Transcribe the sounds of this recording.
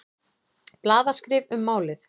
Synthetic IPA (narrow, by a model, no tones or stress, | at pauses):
plaːðaskɾɪːvʏmːaːwlɪθ